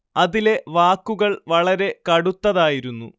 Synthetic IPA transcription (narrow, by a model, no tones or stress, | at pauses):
ɐðile̞ʋaːkːuɣɐɭʋɐɭɐɾe̞kɐɽut̪ːɐðaːjiɾunːṵ